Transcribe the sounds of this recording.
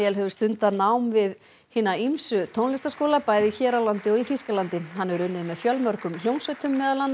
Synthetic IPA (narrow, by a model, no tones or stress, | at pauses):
jɛlɦɛvʏst̪ʏnt̪anawmvɪð | hɪːnaimsʏt̪ʰownlɪst̪askoːwlapaːjðɪiçɛːɾalant̪ɪɔɣiθiskalant̪ɪhanːɛvɾʏnːɪðmɛðfjœlmœɾkʏml̥jownsœt̪ʰʏmːɛːðalanː